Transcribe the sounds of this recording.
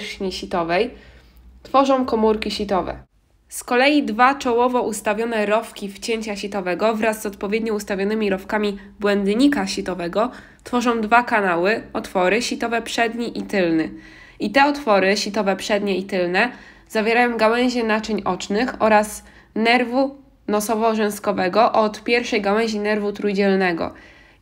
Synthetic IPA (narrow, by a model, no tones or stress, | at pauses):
ɲiɕit̪ɔvɛj | t̪fɔʐɔ̃w̃kɔmuɾkʲiɕit̪ɔvɛ̰ | skɔlɛjid̪vat͡ʂɔwɔvɔʔust̪avʲjɔnɛɾɔfkʲift͡ɕeɲt͡ɕaɕit̪ɔvɛɡɔvɾazːɔt̪̚pɔvʲjeɛd̪ɲɔust̪avʲjɔnɘmʲiɾɔfkamʲi | bwɛnd̪ɲikaɕit̪ɔvɛɡɔ | t̪fɔʐɔ̃w̃d̪vakanawɘɔt̪fɔɾɘɕit̪ɔvɛpʂɛd̪ɲiʔit̪ɘlnɘ | it̪ɛɔt̪fɔɾɘɕit̪ɔvɛpʂɛd̪ɲɛit̪ɘlnɛ | z̥avʲjeɾajɔ̃w̃ɡawɛ̃ɲ̃ʑɛnat͡ʂɘɲʔɔt͡ʂnɘxɔɾas | nɛɾvu | nɔsɔvɔʐɛ̃w̃skɔvɛɡɔʔɔt̪pʲjɛɾfʂɛjɡawɛ̃ɲ̃ʑinɛɾvut̪ɾujd͡ʑɛlnɛɡɔ̰